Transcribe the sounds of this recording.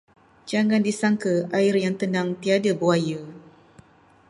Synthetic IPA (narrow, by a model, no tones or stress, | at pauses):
d͡ʒaŋandisaŋkəʔaɪrjaŋt̪ənaŋt̪iadabuajə